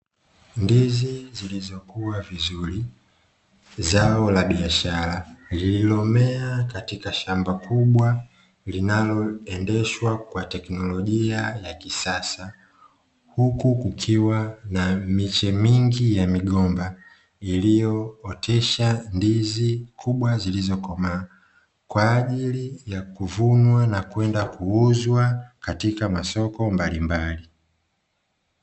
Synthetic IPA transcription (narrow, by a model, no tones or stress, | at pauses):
ndizizilizɔkuwavizuɾi | zaɔlaɓiaʃaɾalililɔmɛakatikaʃambakʰuɓwa | linalɔɛndɛʃwakwatɛknɔlɔʄiajakisasa | hukukukʰiwanamit͡ʃɛmiŋɡijamiɡɔmba | ilijɔːtʰɛʃandizikʰuɓwazilizɔkɔma | kwaːʄilijakuvunwanakwɛndakuuzwakatikamasɔkɔmbalimbali